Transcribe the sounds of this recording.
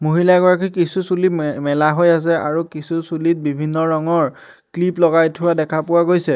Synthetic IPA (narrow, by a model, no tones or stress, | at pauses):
moɦilaɡɔɹak̬ikisusulimɛlaɦojas̬ɛaɹukisusulit̚bibʱinːɔɹɔŋɔɹ | kliplɔɡajtʰʊwadɛkʰapʊwaɡojsɛ